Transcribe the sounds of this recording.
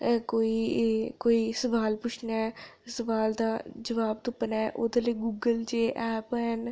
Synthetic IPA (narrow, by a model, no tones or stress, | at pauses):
koːiːkoːiːsəʋaːlpʊt͡ʃʰnaɛsəʋaːld̪aːd͡ʒəʋaːb̚t̪ʊpənɛːʔo̰ːd̪eleɡuːɡəld͡ʒeːʔɛːpɦən